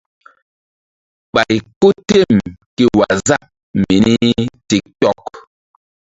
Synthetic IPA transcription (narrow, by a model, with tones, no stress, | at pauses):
ɓa˨jko˦te˦˨mki˦wa˨za˦ʔ | mi˨ni˦ti˨k̚tɔ˦˨k